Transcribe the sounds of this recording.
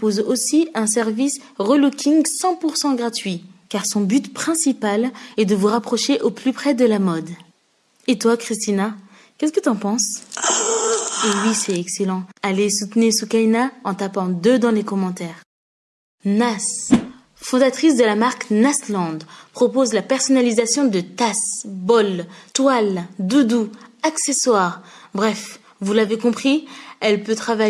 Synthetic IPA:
pozosiɛ̃s̬ɛʁvis | ʁəlukʲiŋsɑ̃puʁsɑ̃ɡʁat̪ɥikaʁsɔ̃byt̪pχɛ̃sipalɛd̪əvuʁapχɔʃeʔoplypχɛd̪əlamɔd̪ | et̪wakχist̪ina | kʲɛskət̪yɑ̃pɑ̃s | ewisɛɛkselɑ̃alesut̪niʁsukainaɑ̃t̪apɑ̃d̪ød̪ɑ̃lekɔmɑ̃t̪ɛʁ | nas | fɔ̃d̪at̪χisd̪əlamaʁknaslɑ̃d̪pχɔpozlapɛʁsɔnalizasjɔ̃d̪ət̪asbɔlt̪wald̪ud̪uakseswaʁbʁɛf | vulavekɔ̃pχiɛlpøt̪χava

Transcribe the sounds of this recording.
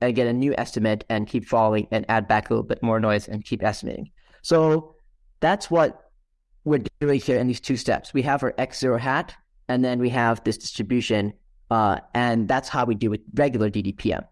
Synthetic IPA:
ɨ̃nɡɛɾɨnjʉʔɛ̰stɨmɨɾɨ̃nkʰipfɑlˠɪ̃ŋɨ̃næ̰d̚bæklˠɪɾ̰l̩ˠbɪt̚mɔɹnɔɪzɨ̰̃nkʰipɛstəmḛɪɾɪ̰̃ŋ | soʊ | ðætswʌt̚ | wɪɹɡd͡ʒəihiɹɨ̃nðiz̥tʰʉstɛ̰pswiəvə˞ʔɛksz̥ɪɹoʊɦæɾ | ɨ̃nðɨ̃nwiɨvðɪsd̥ɪ̥stɹ̥ɨbjʉʃɨ̃n | ɨ̃nðætshaʊwidɨwɨðɹɛɡjl̩ˠə˞didipʰiɛ̰̃m

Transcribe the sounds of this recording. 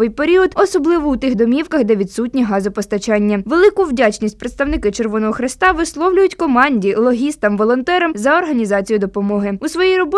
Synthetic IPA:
ʋɪjpeɾʲiɔd̪ɔsɔblˠɪʋɔut̪ɪxd̪ɔmʲiwkɐxd̪ɛʋʲid̪sutʲnʲiɦɑzʊpɔst̪ɐt͡ʃɑnʲːɐʋelˠɪkʊwdʲat͡ʃnʲisʲtʲpɾet̪st̪ɐwnɪkɪt͡ʃerʋɔnɔɦɔxɾɪst̪ɑʋɪslˠɔwlʲʊjʊtʲkɔmɑnʲdʲilˠɔɦʲist̪ɐmʋɔlˠɔnt̪ɛɾɐmzɐɔrɦɐnʲizɑt͡sʲijʊd̪ɔpɔmɔɦɪusʋɔjijrɔbɔ

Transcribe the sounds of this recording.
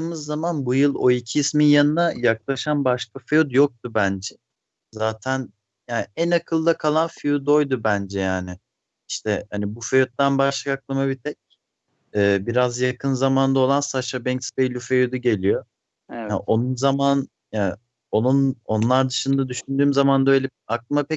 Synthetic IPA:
ɯːmɯzːamanbujɯlˠo̞icʰiːsminjanɯnajaklˠaʃanbaʃkafejut̪jo̞k̚t̪ubænd͡ʒɛ | zaːt̪ʰæn | jaːnænakʰɯlˠd̪akʰalˠanfijud̪o̞jd̪ubænd͡ʒɛjaːnɪ | iʃt̪ʰɛhanibufejut̪̚d̪anbaʃlˠakaklˠamabit̪ʰɛc̚ | ɛːbiɾazjakʰɯnzamannd̪ao̞lˠansaʃabɛŋcspejlʲufejud̪uɟe̞lʲijo̞ | jaʔo̞nunzaman | ja | o̞nuno̞nlˠaɾd̪ɯʃɯnd̪ad̪yʃynd̪yːmzamand̪aøjlʲɛ | ak̚lˠmapʰɛc

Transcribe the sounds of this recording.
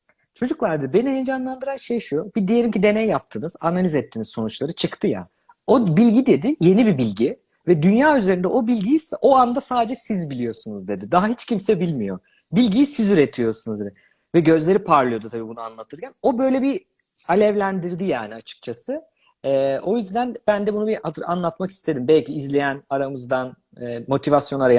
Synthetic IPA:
t͡ʃʰo̞d͡ʒuklˠaɾd̪be̞nined͡ʒanlˠand̪ɯɾanʃejʃujobid̪ije̞lʲimcid̪e̞nejjap̚t̪ʰɯnɯz̥analʲizɛt̪ʰːiːnisso̞nut͡ʃlˠaɾɯt͡ʃʰɯkt̪ʰɯja̰ | o̞bilʲɟid̪e̞d̪ɪje̞nibibilʲɟi | vɛd̪ynjaːyze̞ɾind̪ɛʔo̞bilʲɟijiso̞and̪asaːd̪ed͡ʒɛsizbilʲijo̞sunuzd̪e̞d̪ɪd̪aɦaɦit͡ʃcʰimsɛbilʲmijo̞̰ | bilʲɟijisizyɾet̪ʰijo̞sunuzd̪ed̪ɪ | vɛɟø̞zlʲe̞ɾipʰaɾlˠɯjo̞d̪ut̪ʰabiːbunuanlˠat̪ʰɯɾcʰæno̞bø̞jlʲebi | alʲɛvlʲænd̪iɾd̪ijaːniat͡ʃʰɯ̥k̚t͡ʃʰasɯ | ɛːo̞jyzd̪ænb̥ænd̪ɛbunubiʔaanlˠat̪maki̥st̪ʰe̞d̪imbɛlʲcʰiːzlʲe̞jænaɾamɯzd̪anː | mo̞t̪ʰivasjonaɾaja

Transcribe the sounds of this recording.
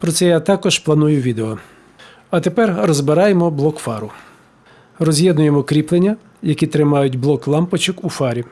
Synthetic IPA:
pɾɔt̪sɛjat̪ɑkɔʒplˠɐnujʊʋʲid̪eɔ | ɐt̪epɛrrɔzbɪɾɑjemɔblˠɔkfɑɾʊ | rɔzʲjɛd̪nʊjemɔkɾʲiplˠenʲːɐ | jɐkʲit̪ɾɪmɑjʊtʲblˠɔklˠɑmpɔt͡ʃɔkufɑɾʲi

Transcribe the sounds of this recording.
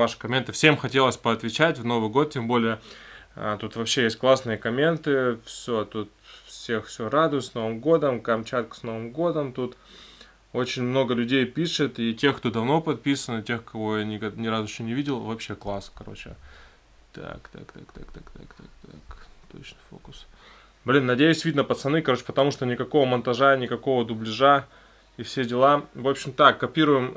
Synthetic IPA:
vaʂɨ̥kɐmʲent̪ɨfsʲemxɐtʲe̞lˠəsʲpɐɐt̪vʲɪt͡ɕætʲvno̞vɨjɡo̞t̪̚tʲːembo̞lʲɪjəə̰t̪ut̪vɐpɕːejesʲt̚ʲklˠasnɨjəkɐmʲe̞nt̪ɨfsʲot̪ut̪fsʲexfsʲoɾad̪ʊjt̪sno̞vɨmɡo̞d̪əmkɐmt͡ɕat̪̚kə̥sno̞vɨmɡo̞d̪əmt̪ut̪ | o̞t͡ɕɪnʲmno̞ɡəlʲʉdʲejpʲiʂɨt̪itʲe̞xkt̪o̞d̪ɐvno̞pɐt̪̚pʲisənɨtʲe̞xkɐvo̞janʲɪkɐnʲɪɾazɪɕːonʲɪvʲidʲɪlˠvɐpɕːe̞klˠaskɐɾo̞̰t͡ɕɪ̰ | t̪a̰kt̪a̰kt̪a̰kt̪a̰kt̪akt̪akt̪kt̪akt̪o̞̰t͡ɕnɨfo̞̰kʊ̥s | blʲinːɐdʲejʉsʲvʲid̪nəpət̪sɐnɨkɐɾot͡ɕɪ̥pət̪ɐmuʂt̪o̞nʲɪkɐko̞vəmɐnt̪ɐʐanʲɪkɐko̞vəd̪ʊblʲɪʐa | ifsʲe̞dʲɪlˠavo̞pɕɪmt̪akːɐpʲiɾʊjɪm

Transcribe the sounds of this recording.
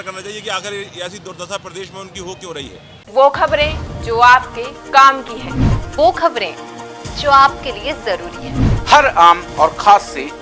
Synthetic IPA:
kɐɾnat͡ʃaːiekiaːkɪɾeɛːsid̪od̪ɐsapɾɐd̪eːʃmẽʊnkiɦoːkõɾɐɦḭɦɛ̰ː | ʋoːkʰɐbɾẽd͡ʒoːaːp̚kekaːmkiɦɛ̃ːʋoːkʰɐbɾḛ̃ːd͡ʒoːaːp̚keliezɐɾuːɾiɦɛːhɐɾaːmɔːɾkʰaːsːe

